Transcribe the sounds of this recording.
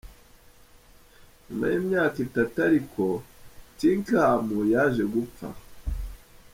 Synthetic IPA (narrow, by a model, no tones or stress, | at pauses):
ɲuma̰jimɲaːkitataɾikʰo̞tiːŋkaːmujaʒe̞ɡup͡fa̰